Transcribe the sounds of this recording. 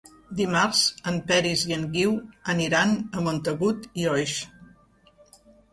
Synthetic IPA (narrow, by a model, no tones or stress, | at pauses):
d̪imaɾz̥əmpɛɾiziəŋɡiwəniɾanəmont̪əɣut̪iɔjʃ